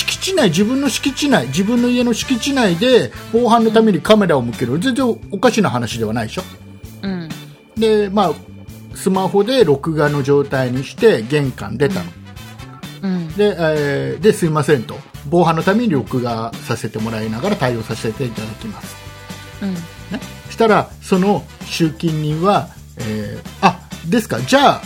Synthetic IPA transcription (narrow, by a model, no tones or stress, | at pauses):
ɕi̥kʲi̥t͡ɕinaid͡ʑibɯ̟̃nːo̞ɕi̥kʲit͡ɕinaid͡ʑibɯ̟̃nːo̞ie̞no̞ɕi̥kʲit͡ɕinaid̪e̞bo̞ːhãnːot̪ame̞ɲ̟ikame̞ɾaomɯ̟ke̞ɾɯ̟zẽ̞nzẽ̞o̞kaɕinaɦanaɕid̪e̞β̞anaiɕõ | d̪e̞maː | sɨmaho̞d̪e̞ɾo̞kɯ̟ɡano̞ʑo̞ːt̪aiɲ̟iɕi̥t̪e̞ɡẽ̞ŋkã̰nd̪e̞t̪a̰no̥ | d̪e̞d̪e̞sɨimasẽ̞nt̪o̞bo̞ːɦãnːo̞t̪ame̞ɲ̟ʲiɾo̞kɯ̟ɡasase̞t̪e̞mo̞ɾainaɡaɾat̪aio̞ːsase̞t̪e̞it̪ad̪akʲimasɨ̥ | ne | ɕi̥t̪aɾaso̞no̞ | ɕɨːkʲĩɲʲːĩβa | eːad̪e̞sɨ̥kad͡ʑaː